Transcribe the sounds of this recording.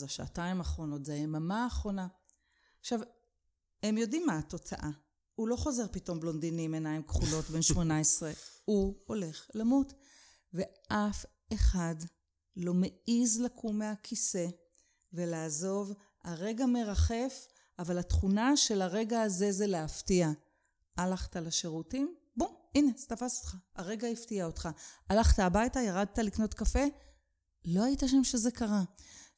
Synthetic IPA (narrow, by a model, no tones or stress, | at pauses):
zaʃaːtaimaχʁo̞no̞tzeemamaːχʁo̞na | ʃav | emjo̞dimːato̞t͡sa̰ʔa | hulo̞χo̞ze̞ʁpito̞mblo̞ndinimenaimkχulo̞tbe̞nʃmo̞naesʁehuo̞le̞χlamut | ve̞ʔaf | eχad | lo̞meizlakʰumeakʰise̞ | ve̞laːzo̞v | aʁe̞ɡame̞ʁaχe̞f | avalatχunaʃe̞laʁe̞ɡaːze̞zeleaftia | alaχtalaʃeʁutim | buine̞stafaso̥t̪χaːʁe̞ɡaiftiaotχaalaχtaːbajtajaʁad̚talikno̞tkafe̞ | lo̞aitaʃ̬amʃe̞ze̞kaʁa